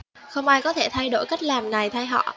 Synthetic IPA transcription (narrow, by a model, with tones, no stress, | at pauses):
xə˧wŋ͡mʔaː˧jkɔ˨˦t̪ʰe˧˩t̪ʰa˧jɗo̰˧˩jka˦˥k̟̚laː˨˩mna˨˩jt̪ʰa˧jɦɔ̰˧˨